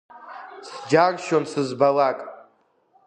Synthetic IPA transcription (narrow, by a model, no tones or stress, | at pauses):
sd͡ʒarʃonsɨzbalakʼ